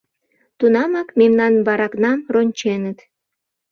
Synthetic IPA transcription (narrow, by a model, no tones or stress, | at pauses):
t̪unɑmɑkmemnɑnβɑɾɑknɑmronʲt͡ɕenət̪